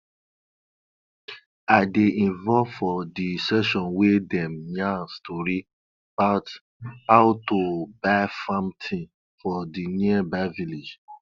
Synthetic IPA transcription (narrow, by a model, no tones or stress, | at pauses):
aɪdeʔĩnvɔlvfɔdisɛʃɔ̃nwedɛ̃mjãstɔɾi | b̥at | haʊtobaɪfãmtʰĩn | fɔdiniəbaviled͡ʒ